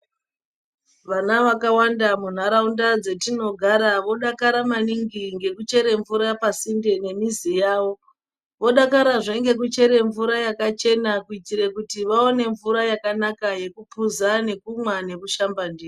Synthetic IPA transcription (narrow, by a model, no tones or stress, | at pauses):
ʋanaʋakawandamun̤aɾaundad͡ze̞tino̞ɡʱaɾaʋo̞ɗakaɾamaniŋɡiŋɡe̞kut͡ʃe̞ɾe̞ɱvuɾapasinde̞ne̞mizijaːʋo̞ | ʋo̞ɗakaɾaʐeŋɡe̞k̬ut͡ʃe̞ɾe̞ɱvuɾajakat͡ʃe̞nakuitiɾekutiʋao̞ne̞ɱvuɾajakanakaje̞kupuzane̞kumwane̞kuʃambandiːr